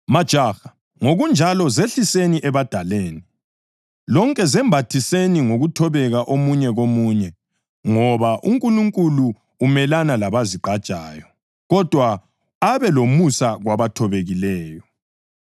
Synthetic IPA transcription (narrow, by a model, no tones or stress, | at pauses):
mad̥ʒ̥ʱaxḁ | ŋoɣund͡ʒʱalɔzeɬiseniʔɛβad̥ʱaleːni | lɔŋkʼɛzɛmbʱatʰiseniŋoɣutʰɔβɛɣaʔomuɲɛɣomuːɲɛ | ŋɔβaʔuŋkʼuluŋkʼuluː | mɛlanalaβaziǃʱad̥ʒ̥ʱaːjɔ | ɣɔd̥ʱwa | aβɛlomusaɣwaβatʰɔβeɣilɛːjɔ